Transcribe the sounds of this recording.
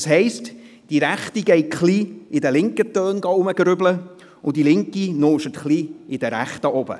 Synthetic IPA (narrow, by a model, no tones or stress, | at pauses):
shɛɪst | d̥iɾæχtiɡ̥ɛɪtχliːɪdəlɪŋkətœːnɡɑʊməɡɾʏblə | ʊdilɪŋkinoːʃətχliːɪd̥əɾæχtəʔɔbə̰